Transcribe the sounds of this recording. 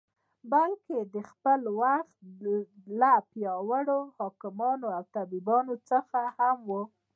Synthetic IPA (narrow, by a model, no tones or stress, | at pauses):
balked̪əxpəlwaxt̪lapjɑwəɽohɑkɪmɑnoawt̪abibɑnot͡səxahamwu